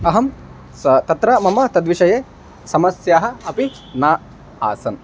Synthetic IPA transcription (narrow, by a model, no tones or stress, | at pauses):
ɐɦɐm | sɐt̪ɐt̪ɾɐmɐmɐt̪ɐd̪ʋiʃɐjeː | sɐmɐsjaːɦɐ̆ɐpi | naː | a̰ːsɐn